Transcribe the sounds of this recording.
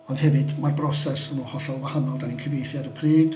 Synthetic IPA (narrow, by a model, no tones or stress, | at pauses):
ɔnd̥hɛvɨdmarbrɔsɛsənuhɔɬɔlˠvahanɔlˠdaninkʰəvejθjaɾəpʰriːɡd